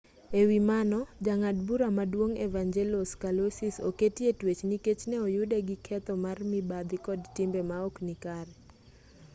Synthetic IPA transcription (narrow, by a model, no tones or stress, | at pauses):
ewimanɔd͡ʒaŋadbuɾamadwoŋevaŋd͡ʒeloskalosisoketietwet͡ʃniket͡ʃnɛojʊdɛɡɪkʰɛt̪ɔmarmɪbad̪ɪkɔdtɪmbɛmaoknɪkaɾɛ